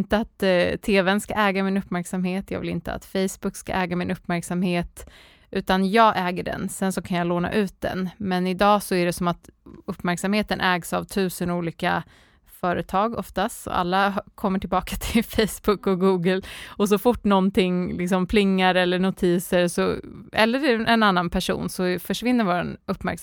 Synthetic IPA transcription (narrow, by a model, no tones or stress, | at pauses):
nt̪əat̪t̪ʰːeːvənska̰ʔɛːɡamɪnɵpːmæɾksamheːt̪jɑ̰ːvɪlɪ̰nt̪əa̰t̪fɛjsbɵkːska̰ʔɛːɡamɪnɵpːmæɾksamheːt̪ | ʉ̟ːt̪anjɑːɡʔɛːɡəɖɛ̰nsɛnsɔkʰanjaloːna̰ʔʉ̟ːt̪̚d̪ɛ̰nmɛnɪd̪ɑːsɔæɖɛsɔmat̪ɵpːmæɾksamheːt̪ənʔɛːɡsa̰vt̪ʰʉ̟ːsənuːliːka̰ | fœːɾə̰t̪ʰɑːɡɔ̰ft̪ast̪ɔ̰a̰lːakʰɔmːəʈʰɪlbɑːkat̪ʰɪlfɛjsbʊkːɔɡuːɡəlɔs̬ɔfʊʈːnɔnt̪ɪŋlɪksɔmpʰlɪŋːaɾɛlːəɳʊt̪ʰiːsəɾsɔɛlːəɾɛnanːanpʰæʂṵːnsɔfœʂvɪnːəɾvoːɾa̰nɵpːmæ̰ɾks